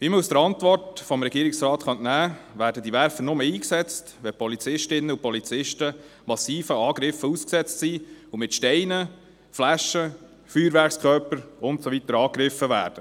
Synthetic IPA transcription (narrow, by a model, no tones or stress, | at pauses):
ʋiːməusd̥əɾɑntʋɔrtfɔmɾɛɡiːɾɪksɾɑːtχœntnæːvæːɾdədiʋæɾfənʊməiːksɛt͡stʋɛpʰɔlit͡sɪʃtɪnːəupɔlit͡sɪʃtə | mɑsiːfəɑːɡ̥ɾɪfəusksɛt͡stsiumɪtʃtɛɪnə | flæʃːə | fyːɾʋæɾkskʰœɾpəɾʊntsɔʋit̪əɾɑːkɾɪfəʋæ̰ːɾd̥ə